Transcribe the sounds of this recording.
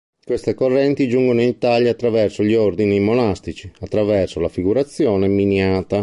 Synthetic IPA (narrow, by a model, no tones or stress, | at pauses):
kwest̪ekorːɛnt̪id͡ʒuŋɡonoinit̪aʎjaːt̪ːɾavɛrsoʎiord̪inimonast̪it͡ʃiat̪ːɾavɛrsolafiɡuɾat̪sːjɔːneminjaːt̪a